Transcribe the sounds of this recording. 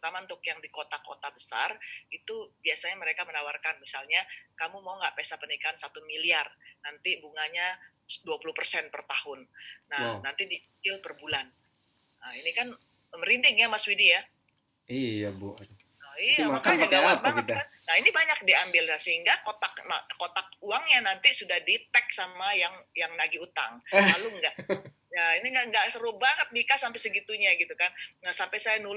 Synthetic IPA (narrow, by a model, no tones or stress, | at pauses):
t̪amant̪ʊkjaŋdikot̪ako̰t̪abəsa̰rit̪ubiasaɲaməɾekamənawarkanmisalɲakamumauŋɡaʔpesapənikaːnsat̪umiliarnant̪ibuŋaɲa | duapuluhpərsɛnpərt̪ahʊnːanant̪idiikɪlpərbulan | ʔəinikan | əməɾint̪ɪŋjamaswidija | ijab | ɔijamakaɲaɡawabaŋət̪̚kan | nainibaɲak̚diambɪlnasəɦiŋɡakot̪akna̰kot̪ak̚uaŋɲanant̪isudahdit̪ɛk̚samajaŋjaŋnaɡiut̪a̰ŋlaluŋɡaʔ | jainiŋɡaʔŋɡaʔsəɾuhbaŋət̪̚nikasampɛjsəɡit̪uɲaɡit̪ukannasampajsajanu